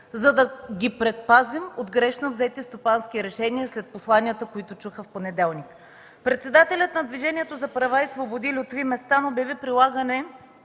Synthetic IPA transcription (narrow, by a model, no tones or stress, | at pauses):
zɐd̪ɐɡʲipɾɛt̪̚pazimod̪ɡɾɛʃnovzɛt̪ist̪opanskiɾɛʃɛniəslɛt̪̚poslˠaniət̪əkoit̪ʊt͡ʃuxəfponɛd̪ɛlˠnik | pɾɛt̪sɛd̪at̪ɛlʲət̪nɐd̪viʒɛniɛt̪ozɐpɾɐvaisvobod̪ilʲiot̪vimɛst̪anobɛvipɾilˠaɡənɛ